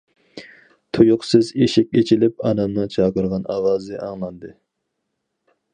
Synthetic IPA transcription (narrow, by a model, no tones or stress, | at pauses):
t̪ʰujʊqsɨzeʃɪkʲet͡ʃʰilɪpɑnɑmnɨt͡ʃʰɑːqəɾʁɑnɑwɑːzɨʔɑŋlˠɑnd̪ɨ